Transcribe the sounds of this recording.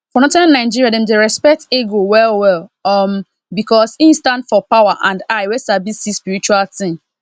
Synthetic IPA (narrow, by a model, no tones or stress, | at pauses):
fɔnɔ̃tãnːãɪd͡ʒiɹiadɛ̃mdeɹɛspɛk̚teɡowɛlwɛlɔm | bikɔsĩnstãntfɔpawaʔãndaɪwɛsabisdispiɾit͡ʃualtĩm